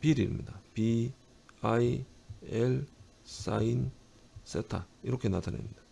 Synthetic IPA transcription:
piɾilmɲidapi | aiel | s͈a̰in | s͈ʰetʰaiɾʌkʰe̞natʰanḛmɲid̥a

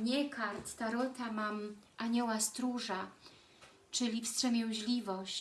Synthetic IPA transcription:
ɲɛkʰaɾt̪t̪aɾɔt̪amamʔaɲɔwast̪ɾuʐa | t͡ʂɘlʲifstʂɛmʲjɛw̃ʑlʲivɔɕt͡ɕ

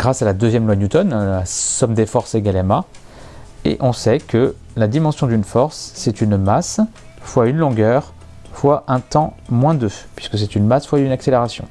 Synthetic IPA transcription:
ɡ̥ʁasalad̪øzjɛmlwanjut̪ɔnlasɔmd̪efɔʁseɡalɛma | ḛʔɔ̃sɛkə | lad̪imɑ̃sjɔ̃d̪ynfɔʁsːɛt̪ynmas | vwaynlɔ̃ɡœʁ | vwaʔɛ̃t̪ɑ̃mwɛ̃d̪øpɥiskəs̬ɛt̪ynmasvwaynakseleʁasjɔ̰̃

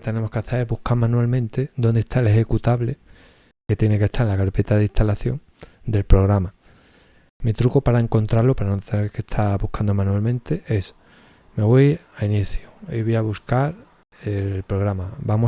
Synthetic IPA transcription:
t̪e̞ne̞mo̞skeaθeβuhkaɾmãnualmẽnt̪e̞ðo̞nd̪e̞st̪aele̞xekut̪aβle̞ | ke̞t̪je̞nekest̪aɾelakaɾpe̞t̪aðist̪ʰalaθjo̞̰ŋ | d̪e̞lpɾo̞ɣɾama | mit̪ɾukopaɾae̞ŋko̞nt̪ɾaɾlo̞paɾanot̪eneɾke̞st̪ʰaβuhkʰand̪o̞mãnualmẽ̞nt̪e̞ʔe̞s | me̞βojainiθjoiβojaβuskaɾ | elpɾoɣ̞ɾamabamo

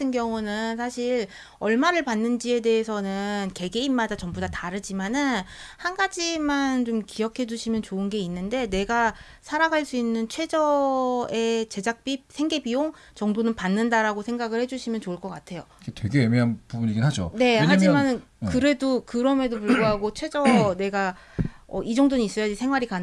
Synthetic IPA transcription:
tʰɯnɡjʌŋunɯnsʰaɕʰiɾ | ʌɭmaɾɯɭpanːɯnd͡ʑie̞de̞esʰʌnɯnke̞ɡe̞imːadat͡ɕʌmbudataɾɯd͡ʑimanɯnhanɡad͡ʑimant͡ɕomkijʌkʰe̞d͡ʑuɕʰimjʌnt͡ɕoɯnɡe̞inːɯnde̞ne̞ɡa | sʰaɾaɡʱaɭs͈uinːɯnt͡ɕʰwe̞d͡ʑʌe̞t͡ɕe̞d͡ʑak̚p͈isʰe̞ŋɡe̞bioŋ | t͡ɕʌŋdonɯnpanːɯndaɾaɡosʰe̞ŋɡaɡɯɭhe̞d͡ʑuɕʰimjʌnt͡ɕoɯɭk͈ʌk͈atʰe̞joɡetwe̞ɡeemeɦanpubuɲiɡinɦad͡ʑo̰ne̞had͡ʑimanɯn | kɯɾe̞dokɯɾʌme̞dop̬uɭɡoɦaɡot͡ɕʰwe̞d͡ʑʌne̞ɡa | ʌ̰ʔid͡ʑʌŋdoɲiis͈ʌjad͡ʑisʰe̞ŋɦwaɾika

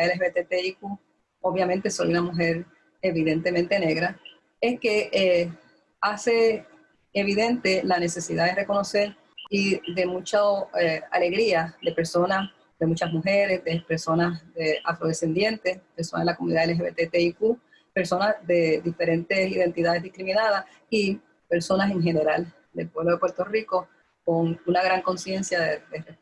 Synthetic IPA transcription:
aðeleɦeβet̪et̪eiku | oβjamẽnt̪e̞so̞̰junamuɦe̞ɾ | e̞βiðe̞nt̪e̞mẽnt̪e̞ne̞ɣɾa | e̞ske̞ʔe | ase̞ | eβiðẽ̞nt̪e̞lane̞se̞siðaðere̞ko̞no̞se̞ɾ | iðe̞mũt͡ʃoea̰le̞ɣɾiaðe̞pe̞ɾso̞nas | ðe̞mũt͡ʃasmuxe̞ɾe̞sðepeɾso̞nasðeʔa̰fɾo̞ðese̞nd̪je̞nt̪e̞speɾsona̰elakomuniðaðeeɦeβet̪et̪eiku | pe̞ɾso̞nazðe̞ðife̞ɾe̞nt̪e̞siðe̞nt̪iðaðe̞zðihkɾimĩnaðas | i | pe̞ɾso̞nase̞ŋɦe̞ne̞ɾal | d̪e̞lpwe̞βlo̞ðepwe̞ɾt̪o̞riko̞ | ko̞ŋunaɣɾaŋko̞nsje̞nsjaðed̪ere

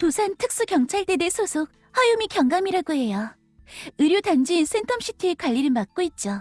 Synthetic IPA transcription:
tosʰantʰɯk̚s͈ukjʌŋt͡ɕʰaɭtedesʰosʰok̚ | ɸwajumikjʌŋɡamiɾaɡohe̞ja | ɯɾjotand͡ʑins͈entʰʌmɕ͈ʰitʰɯekwaʎːiɾɯɭmak̚k͈oit̚t͡ɕ͈o

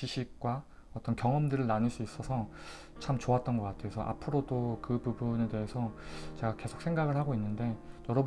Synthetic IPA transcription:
iɕʰik̚k͈wa | ʌt͈ʌnkjʌŋʌmdɯɾɯɭnanɯɭs͈uis͈ʌsʰʌ | t͡ɕʰamt͡ɕoat̚t͈ʌnɡʌk͈atʰesʰʌʔa̰pʰɯɾodokɯpubune̞de̞ɦe̞sʰʌt͡ɕe̞ɡake̞sʰok̚s͈ʰe̞ŋɡaɡɯɭhaɡoinːɯnde̞jʌɾʌb

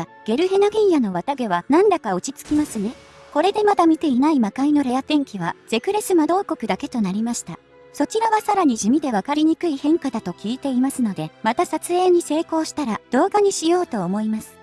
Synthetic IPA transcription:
ɡ̥e̞ɾɯ̟ɦe̞noɡʲĩɰjano̞βat̪aɡe̞βanãnd̪akaot͡ɕit͡sɨ̥kʲimasɨne̞ | ko̞ɾe̞d̪e̞mad̪amʲit̪e̞inaimakaino̞ɾe̞jat̪ẽ̞ŋkʲiβaz̥e̞kɯ̟ɾe̞sɨmad̪o̞ːko̞kɯ̟d̪ake̞t̪o̞naɾʲimaɕi̥t̪a̰ | so̞t͡ɕiɾaβasaɾaɲ̟iʑɨmʲid̪e̞β̞akaɾʲiɲ̟ikɯ̟ihẽ̞ŋkad̪at̪o̞kʲiːt̪e̞imasɨno̞d̪e̞mat̪asat͡sɨe̞ːɲ̟ise̞ːko̞ːɕi̥t̪aɾad̪̥o̞ːɡaɲ̟iɕijo̞ːt̪o̞ːmo̞imasɨ̥

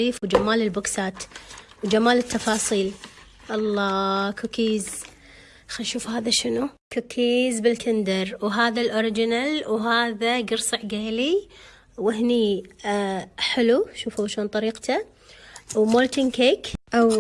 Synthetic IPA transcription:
iːfwd͡ʒamaːlɪlbʊksaːt̪wd͡ʒamaːlɪt̪ːɑfɑːsˤiːl | ʔɑlˤːɑːkʰokiːz | xanʃuːfhaːðaʃɪnukokʰiːzbɪlkʰɪnd̪ɑɾwɦaːðalʔoɾɪd͡ʒɪnalwɦaːðaɡɨɾsˤɨʕɡeːli | wɪɦni | ħɪluʃuːfuʃoːnt̪ˤɑɾiːqt̪a | wmolt̪ɪnkeːkʔaw

